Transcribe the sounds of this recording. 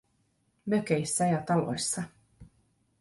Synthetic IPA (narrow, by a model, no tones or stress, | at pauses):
møkejsːæjɑt̪ɑlo̰jsːɑ